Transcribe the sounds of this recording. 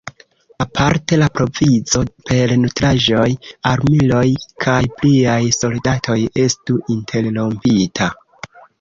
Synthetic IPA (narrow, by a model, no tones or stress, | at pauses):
apʰaɾte̞lapɾo̞vizo̞pe̞ɾnutɾaʒo̞jaɾmilo̞jkʰajpliajso̞ldatʰo̞je̞stuʔintʰe̞llo̞mpitʰa